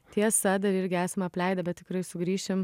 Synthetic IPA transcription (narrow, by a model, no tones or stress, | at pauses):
t̪ʲiɛsɐd̪ɐɾɪɾʲɡʲɪæːsʲɐmɐpʲlʲɛɪd̪ɐbʲɛt̪̚t̪ʲɪkɾɐɪsʊɡɾʲiːʃʲɪm